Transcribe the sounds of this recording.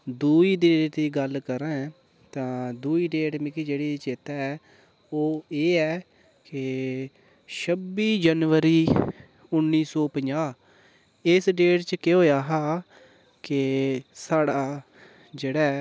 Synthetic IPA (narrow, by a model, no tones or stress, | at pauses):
d̪uːiːɖ̪eːʈ̪iːɡəlkəɾɛ̃ː | t̪ãːd̪uːiːɖeːʈmɪkid͡ʒeːɽeːt͡ʃɪt̪ɛːɛː | oːeːɛː | kɪ | ʃəbiːd͡ʒənʋəɾiː | ʊnːiːsɔːpəɲd͡ʒaː | ɪsɖeːʈt͡ʃəkeɦoːjaːɦaː | kɪsaːɽaː | d͡ʒeːɽɛː